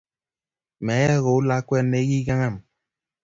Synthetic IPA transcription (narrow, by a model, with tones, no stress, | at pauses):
mɛ˨˦ja˦˨ɣo˨u˦la˦kwɛ˦ne˦ɣi˦ɡa˦ŋa˦˨m